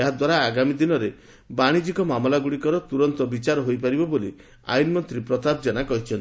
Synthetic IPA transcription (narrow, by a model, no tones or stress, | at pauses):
eɦad̪waɾaːɡamid̪inɔɾe | baɽ̃id͡ʒikɔmamlaɡuɽikɔɾɔt̪uɾɔnt̪ɔbit͡ʃaɾɔɦojpaɾibɔboli | a̰jinmɔnt̪ɾipɾɔt̪abd͡ʒanakɔɦit͡ʃʰɔnt̪i